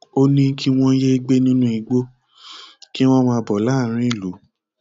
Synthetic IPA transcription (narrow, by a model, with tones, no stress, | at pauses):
o˦nĩ˦ki˦w̃ɔ̃˦je˦i˧ɡ͡be˦nĩ˦nũ˦i˧ɡ͡bo˦ | ki˦w̃ɔ̃˦mã˧bɔ˨la˦˨˦ɾ̃ĩ˦i˦˨lu˨˦